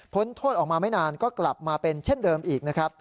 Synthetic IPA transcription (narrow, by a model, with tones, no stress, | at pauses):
pʰo˦˥nt̪ʰoː˥˩t̪ʔɔː˨˩k̚maː˧ma˥˩jnaː˧nkɔː˥˩kla˨˩p̚maː˧pe˧nt͡ɕʰe˥˩ndɤː˧mʔiː˨˩k̚na˦˥kʰɾa˦˥p̚